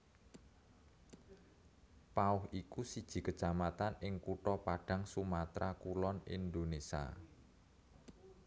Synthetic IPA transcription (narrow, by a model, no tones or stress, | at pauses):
paʊhikusid̥ʒ̥i̤kə̥t͡ʃamat̪anɪŋkuʈɔpaɖ̥ä̤ŋsumat̪ɾakulɔnḭnd̪onesia̰